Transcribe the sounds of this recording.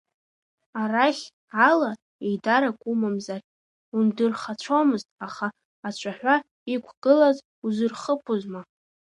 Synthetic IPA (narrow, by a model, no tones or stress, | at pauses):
araχʲ | ala | ejdaɾakʷʼumamzar | undɨrχat͡ɕʷʰomɨztʼaχaː | t͡ɕʷʰaħʷᶣa | ikʷʰɡ̥ɨlaz | uzɨrχəpʰuzma